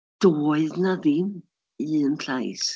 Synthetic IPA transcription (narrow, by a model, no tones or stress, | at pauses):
d̥oːɨðnaðɪn | iənɬajs